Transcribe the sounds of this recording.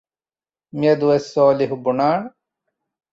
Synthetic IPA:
med̪uwesoːliɦubunaːɳ

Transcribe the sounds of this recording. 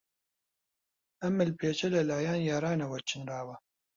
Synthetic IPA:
ɐmɨlpʰeːt͡ʃɐlɐlaːjaːnjaːɾaːnɐwɐɾt͡ʃʰɨnraːwɐ

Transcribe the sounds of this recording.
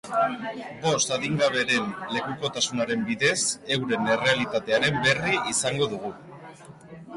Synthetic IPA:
bo̞st̪aðiŋɡaβ̞e̞ɾe̞nle̞kuko̞t̪asunaɾe̞mbiðe̞se̞wɾe̞ne̞re̞alit̪at̪e̞aɾe̞mbe̞riʔisaŋɡo̞ðuɣ̞u

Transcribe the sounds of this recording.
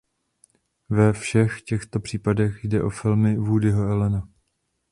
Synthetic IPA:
vɛfʃɛxcɛxt̪o̞pr̥iːpadɛxjdɛʔo̞fɪlmɪvuːdɪɦoɛlɛna

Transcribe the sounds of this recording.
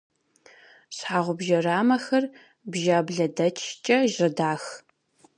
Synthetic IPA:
ɕħaːʁʷʊbʒɐraːmɐxɐr | bʒaːbɮɐdɐt͡ʃʰt͡ʃʼɐʒɪdaːx

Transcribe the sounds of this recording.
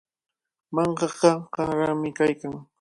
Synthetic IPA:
mɑɴɢɑɢɑɢɑɾamɪkajkaŋ

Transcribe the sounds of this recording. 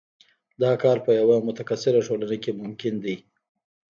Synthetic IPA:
d̪ɑkɑɾpəjawamʊt̪akasɪɾaʈolanekemʊmkɪnd̪i

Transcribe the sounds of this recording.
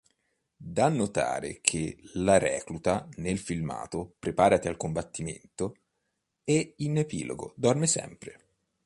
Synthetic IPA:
d̪anːot̪a̰ːɾḛkʰelaɾɛ̰ːklut̪anelfilma̰ːt̪opɾepaːɾat̪ealkombat̪ːimḛnt̪o | einepiːloɡo̰d̪ɔrmesɛ̰mpɾe

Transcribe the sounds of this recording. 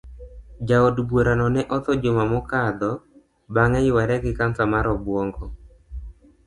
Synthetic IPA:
d͡ʒaodbwoɾanɔnɛʔɔt̪ɔd͡ʒomamɔkad̪ɔ | baŋɛjɪwaɾɛkɪkansamaɾɔbwɔŋɡɔ

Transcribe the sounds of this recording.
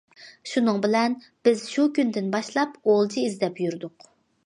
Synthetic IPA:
ʃunɨŋbɪlɛn | b̥ɪz̥ʃukʲynd̪ɪnbɑʃlˠɑpolˠt͡ʃʰiizd̪ɛpjyɾd̪ʊq

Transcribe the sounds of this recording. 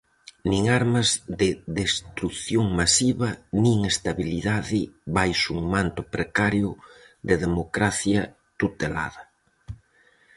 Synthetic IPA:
nĩŋaɾmazðɪðest̪ɾuθjoŋmasiβɐnĩŋest̪aβiliðaðɪβajsuŋmant̪ʊpɾekaɾjʊ | d̪eðemokɾaθjɐ | t̪ut̪ela̰ðɐ

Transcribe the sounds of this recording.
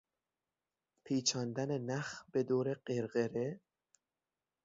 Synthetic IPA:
pʰiːt͡ʃʰɒːnd̪ænenæxbed̪oːɾeɢeɾɣeɾe

